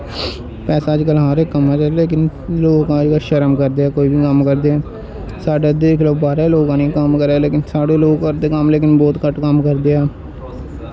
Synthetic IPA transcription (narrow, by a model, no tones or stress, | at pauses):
pɛːsaːəd͡ʒkəlɦãːɾeːkəmaːd͡ʒaleːk̬ɪn | loːɡãːd͡ʒkəlʃəɾəmkəɾd̪eːɛːkoːiːbiːkəmkəɾd̪eːɛː | saːɖeːd̪eːɪkləːbaːɾeːloːɡãːnĩkəmkəɾeːleːkɪnsaːɖeːloːɡkəɾd̪eːkəmleːk̬ɪnbɔːt̪kəʈkəmkəɾd̪eːɛː